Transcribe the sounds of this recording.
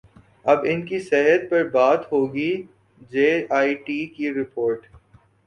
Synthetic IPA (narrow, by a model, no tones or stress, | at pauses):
ɐbɪnkisɛɦət̪̚pɐɾbaːt̪ɦoːɡi | d͡ʒeːaːiʈiːkiɾɪpʰoːɾʈ